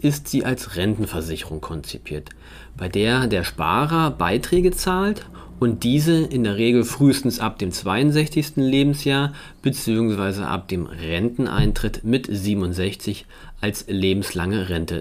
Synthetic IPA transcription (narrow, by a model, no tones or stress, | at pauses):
ʔɪstz̥iːʔalsʁɛntn̩fɛɐzɪçəʁʊŋkʰɔnt͡sipʰiːɐt | b̥aɪdeːɐdeːɐʃpa̰ːʁɐbaɪtʁ̥ɛːɡət͡saːlt | ʔʊnt̚d̥iːzəʔɪndeːɐʁ̞eːɡl̩fʁ̥yːstn̩sʔap̚d̥eːmt͡sv̥aɪʊnzɛçt͡sɪçstn̩leːbm̩sjaːɐ | b̥ət͡siːʊŋsv̥aɪzə̰ʔa̰p̚d̥eːmʁɛntn̩ʔa̰ɪntʁ̥ɪtmɪtz̥iːbm̩ʊntzɛçt͡sɪç | ʔalsleːbm̩slaŋəʁɛntə̰